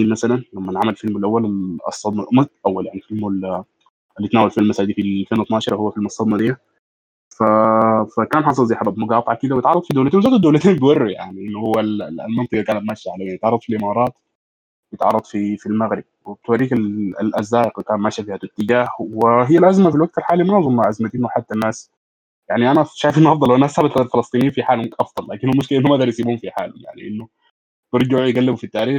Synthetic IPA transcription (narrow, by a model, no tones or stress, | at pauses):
iːnmasalanlamːanʕamalfɪlmɪlʔawːalɑ̰sˤːɑd̪ˤnɑʔmʔawːaljaʕnifɪlml | ʔɪlːit̪naːwalfilmːasaːd̪iːfifeːnwɪt̪nɑːʃɑɾˤɑhʊwːafɪlmɑsˤːɑd̪nɑd̪ɪjːa | fafakaːnħɑːsˤɑlziħabab̪mʊɡɑːt̪ˤʕɑkɪd̪awjɪt̪ʕɑrˤːɑd̪ˤfid̪owlat̪eːnwzoːt̪ad̪owlat̪eːmb̪wɑrːuja̰ʕniʔɪnːʊhʊwːal̰lmɑnt̪ˤɑɡɑkaːnat̪maːʃːaʕalaweːnjt̪ʕɑrˤːɑd̪ˤfilʔɪmɑːɾˤɑːt̪ | wjet̪ʕɑ̰rˤːɑd̪ˤfifilmæɣɾɪb̚web̚t̪waɾiːkal̰lʔæ̰zːaːʔɪqkaːmaːʃafiːhæt̪ɪt̪ːɪd͡ʒaːhwɪɦijːælʔæzmafilwaɡ̚t̪alħaːlimnɑʕzˤomːaʕʔazmat̪eːnweħad̪ːanːaːs | jaʕniʔænæʃaːjɪfʔenːʔɑfd̪ˤɑlːhwːænːsabæt̪ad̪lfelɑsˤt̪ˤiːnejinfiħaːlhʊʔɑfd̪ˤɑlːaːkɪnːhulmʊʃkɪlʔenhomʔæd̪ɑɾjsiːbuːhomfiħa̰ːlhʊ̰mja̰ʕnḭʔenːʊ | t̪eɾˤd͡ʒajɡælːɪbufit̪ːaːɾiːx